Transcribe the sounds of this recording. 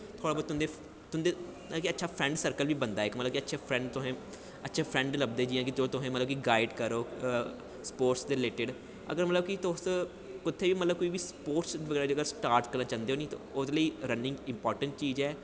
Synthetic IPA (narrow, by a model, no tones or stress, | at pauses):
t̪ʰoːɽaːbɔːd̪̚t̪ʊnd̪e | t̪ʊnd̪e | kiətːʃʰaːpʰɾɛ̃ɳɖsəɾkəlʋiːbənd̪aːɛɪkmət̪ləb̚kiətːʃʰaːpʰɾɛ̃ːɳɖt̪ʊɦẽː | ətːʃʰaːpʰɾɛ̃ːɳɖləbd̪eːd͡ʒiːjãːkɪd͡ʒoːt̪ʊɦẽːmət̪ləbkiɡaːɪɖkəɾoː | spoːɾʈsd̪eːɾɪleːʈɪɖ | ə̰ɡəɾmət̪ləbkɪt̪ʊs | kɪt̪ʰːeːʋiːmət̪ləbkoːiːʋiːspoːɾʈsʋəɡɛːɾaːd͡ʒoːəɡəɾsʈaːɾʈkəɾnãːt͡ʃãːnd̪eːɦoːnĩːt̪õ̰ʊd̪eləiːɾənɪ̃ŋɡɪ̃mpɔːɾʈəɳʈ̚t͡ʃiːzɛː